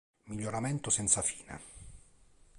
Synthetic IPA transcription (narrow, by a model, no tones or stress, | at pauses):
miʎːoɾamɛnt̪osɛnt̪safiːna̰